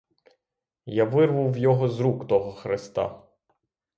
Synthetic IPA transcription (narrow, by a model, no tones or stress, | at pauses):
jaʋɪrʋʊwjɔɦɔzɾukt̪ɔɦɔxɾɪst̪ɑ̰